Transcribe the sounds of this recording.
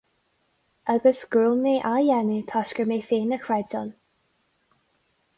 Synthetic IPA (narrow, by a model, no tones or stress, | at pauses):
ʔaɡəsɡ̥ɹuːlmiʔajɛnit̪ʰaʃkəmeːfeːnəkʰɹɛd͡ʒɔn